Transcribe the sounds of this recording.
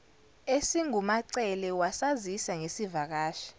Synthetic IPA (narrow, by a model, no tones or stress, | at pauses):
esiŋumaǀɛlɛwasazisaŋesivak̬aːʃḁ